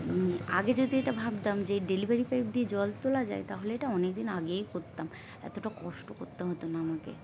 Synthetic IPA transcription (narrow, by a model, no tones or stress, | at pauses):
mia̰ɡed͡ʑod̪ʱieʈabʱab̚d̪amd͡ʑeɖelibaɾipajp̚d̪ied͡ʑɔlt̪olad͡ʑa̰et̪aɦoleeʈaɔnek̚d̪inaɡejkoɾt̪ːam | ɛ̰t̪oʈakɔʃʈoko̰ɾt̪ːaɦot̪onaamakḛ